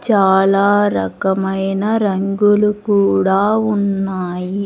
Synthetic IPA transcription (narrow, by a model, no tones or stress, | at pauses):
t͡ʃaːlaːɾɐkɐmɐjnɐɾɐŋɡulukuːɽaːunːaːji